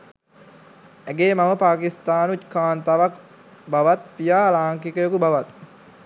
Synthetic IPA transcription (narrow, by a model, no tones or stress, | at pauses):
æɡeːmaməpaːkist̪aːnut̪kaːnt̪aʋak | baʋat̪̚pijaːlaːŋkikəjokubaʋat̪̚